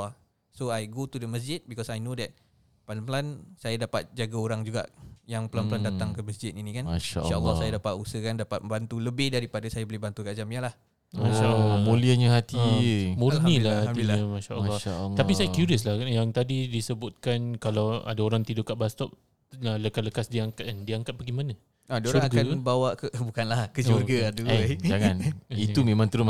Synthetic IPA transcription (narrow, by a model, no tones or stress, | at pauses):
soajɡotudəməs̬d͡ʒɪt̪̚bikɔsajnõdɛt̪̚ | padampəlansajadapat̪̚d͡ʒaɡaoɾaŋd͡ʒuɡa̰ʔjaŋpəlanpəlandat̪aŋkəməsd͡ʒɪt̪inĩkanaʃaʃaʔəlːɔhsajadapat̪usəhkandapat̪̚ə̃mbant̪uləbɪhdaɾipadasajabəlɪhbant̪ukaʔd͡ʒamjəlah | mãʃalmõliəɲaɦat̪imũrnilahhaiɲamaʃa̰ʔəmːɔʃalːt̪apisajakjuɾiəslahjaŋt̪adidisəbʊt̪̚kankalawa̰daoɾaŋt̪idʊʔkaʔbast̪ɔp̚ | aləkaləkasdiaŋkaandiaŋkat̪̚baɡimanə | aadaʃoɾuŋɾaɡanbawaʔkəbukanlahkəurɡaaduad͡ʒaŋanit̪umẽmãŋt̪əɾʊm